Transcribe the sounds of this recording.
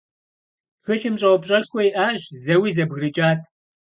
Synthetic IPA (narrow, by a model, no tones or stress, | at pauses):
xɨɬɨmɕʼɐwʷɔbɕʼɐʃʷɔjʔaːʑzɐwiːzɐbɣrɨt͡ʃʼaːtʰ